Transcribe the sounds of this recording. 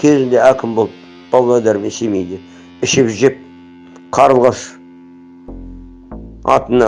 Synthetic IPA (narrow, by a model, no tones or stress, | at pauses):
kʲʰe̞zɪnd̪eækʲʰɪmbo̞lˠəp̚ | b̥ɑblˠad̪ɑɾmensemejd̪ɪ | ɪʃɪpʒʒep̚ | qʰɑɾəlˠʁɑʃ | ɑ̰t̪ənɑ